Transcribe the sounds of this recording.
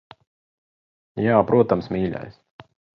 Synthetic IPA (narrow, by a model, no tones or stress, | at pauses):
jaːpɾʔuɔt̪amsmʲiːlʲa̰js